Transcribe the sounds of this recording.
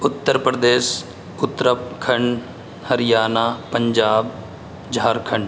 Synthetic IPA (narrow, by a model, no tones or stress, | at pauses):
ʊt̪ːəɾpɾəd̪eːs | ʊt̪ːɾəpkʰɐɳɖ | hɐɾɪjaːnaːpə̃ɲd͡ʒaːb | d͡ʒʱaːɾkʰə̃ɳɖ